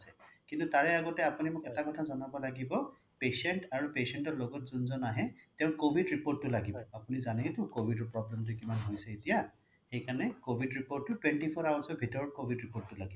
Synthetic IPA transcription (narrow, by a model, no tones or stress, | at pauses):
sɛkintutaɹɛaɡɔtɛapunimʊkɛtakɔtʰazɔnabɔlaɡibɔ | pesɛntaɹupesɛntɔɹloɡɔtzunzɔnaɦɛtɛ̃ʊ̃nkobʱidɹipoɹtːʊlaɡibɔapunizanɛitʊkobʱidɔɹpɹɔblɛmt̬ʊkimanɦojsɛetija | xejkanɛkobʱidɹipoɹʈːʊtwentipʰɔɹawasɔbʱitɔɹɔkobʱidɹipoɹtːʊlaɡibɔ